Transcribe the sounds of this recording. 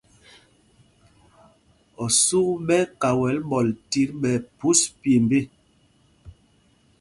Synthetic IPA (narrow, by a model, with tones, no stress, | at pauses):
ɔ˨su˦ɓɛ˦ka˨wɛ˨˦lɓɔ˨lti˨˦ɾɓɛ˨pu˦spje˨mbe˦˨